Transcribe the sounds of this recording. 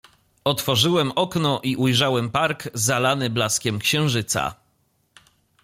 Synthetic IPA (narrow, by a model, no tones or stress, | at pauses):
ɔt̪fɔʐɘwɛmɔknɔʔiʔujʐawɛmpaɾɡzalanɘblaskʲɛmkɕɛ̃w̃ʐɘt̪sa̰